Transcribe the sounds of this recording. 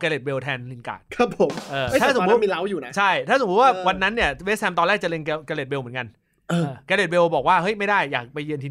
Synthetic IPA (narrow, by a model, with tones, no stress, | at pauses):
kɛː˧le˨˩we˧wt̪ʰɛː˧nli˧˩nka̰ː˨˩k̚kʰa˦˥pʰːo˩˦mʔɤː˧˩˥aː˧˥˩so˩˦˨u˦˥˧miː˧la˦˥wjuː˨˩na˦˥t͡ɕʰa˥˩j̪ʰaː˥˩o˨˩˦waː˥˩wa˧nːa˦˥nːi˥˩ɐwe˦˥sʰɛ˧mt̪ɔː˧nlɛː˥˩k̚t͡ɕa˨˩le˧nkɛ˧kɛ˧le˨˩t̪̚we˧wmɯ˩˦ə˦nka˧n | ʔɤː˧˩˧kɛː˧le˨˩t̚we˧wbɔː˨˩k̚waː˥˩ɦɤ˦˥jma˥˩jdaː˥˩jːaː˨˩k̚pa˧jːɯ˧nt̪ʰiː˧